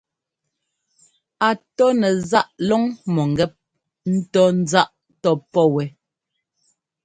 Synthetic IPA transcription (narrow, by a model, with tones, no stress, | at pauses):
a˨tɔ˦nɛ˨za˦ʔlɔ˦ŋmɔ˨ŋ˨ɡɛ˦p̚ | n̩˦tɔ˦n̩˦d͡za˦ʔ | tɔ˦pɔ˦˨wɛ˨